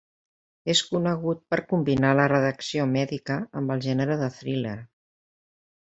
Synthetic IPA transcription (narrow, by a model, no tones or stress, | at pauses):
eskunəɣ̞ut̪̚pəɾkumbinalərəðəksiomɛðikəːmbəlˠʒɛnəɾəðəθɾileɾ